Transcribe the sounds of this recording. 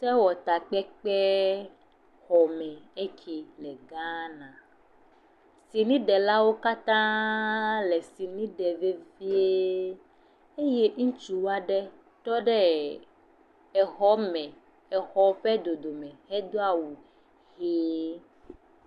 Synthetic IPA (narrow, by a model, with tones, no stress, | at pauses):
sɛ˦wɔ˨t̪a˨k͡pɛ˦k͡pɛ˦ | xɔ˨mɛ̃˨e˦kʰi˨lɛ˨ɡã˦nã˨ | si˨nĩ˦ɖɛ˨la˦wo˦ka˦t̪ã˦ | lɛ˨si˨nĩ˦ɖɛ˨ve˦vi˦e˦ | e˦je˦ŋ̩˦t͡ʃu˨wa˦ɖɛ˦ | t̪ɔ˦ɖɛ˦ | ɛ˨xɔ˦mɛ̃˨ | ɛ˨xɔ˨˦ɸɛ˦d̪o˨d̪o˨mɛ̃˨hɛ˦d̪o˦a˦wu˨ | ɣe˦